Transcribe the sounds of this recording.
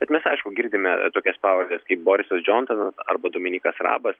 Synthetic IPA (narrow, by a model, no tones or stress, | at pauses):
bʲɛt̪mʲɛsɐɪʃkʊɡʲɪɾʲd̪ʲɪmʲɛt̪oːkʲɛspɑːʋɐlʲdʲɛskɐɪp̚boːɾʲɪsɐsd͡ʒʲont̪ɐnɐsɐ̰rbɐd̪oːmʲɪnʲiːkɐsrɑ̰ːbɐs